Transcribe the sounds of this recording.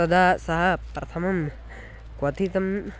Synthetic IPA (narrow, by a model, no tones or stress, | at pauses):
ɐd̪aːsɐɦɐpɾɐt̪ʰɐmɐm | kwɐt̪ʰit̪ɐm